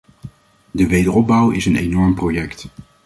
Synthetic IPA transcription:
dəʋejdərɔb̚bʌwɪsənenɔɹmprojɛkt

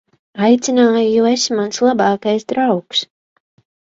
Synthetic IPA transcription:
ajt̪sʲinaːjujuesmanslˠabaːkajsd̪ɾawks

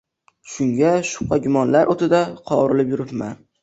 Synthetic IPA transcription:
ʃʊŋɡʲaʃʊ̥qːɑɡʲʊmɒnlaɾʔot̪ʰɪd̪aqʰɒ̰ɾɪlɪpjʊɾɪpma̰n

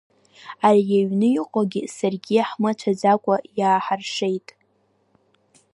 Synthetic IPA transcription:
arijaɥnɨiqʷʼaɡʲisarɡʲiaħmat͡ʃʷʰad͡zakʷʼajaːħarʂe̞jtʼ

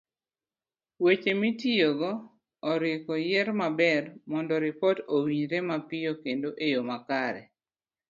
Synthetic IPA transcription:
wet͡ʃemitijoɡɔː | ɾɪkɔjɛɾmabɛrmɔndɔɾɪpɔtowiɲɾɛmapɪjokendoʔejomakaɾɛ̰

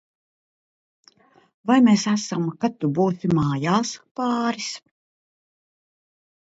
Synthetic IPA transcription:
vajmeːsæsamkat̪ːubuːt̪imɑːjaːspɑːɾis

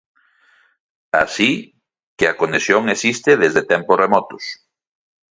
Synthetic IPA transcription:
a̰si | keakonesjoŋesist̪eðezðet̪ɛmpʊsremɔt̪ʊs

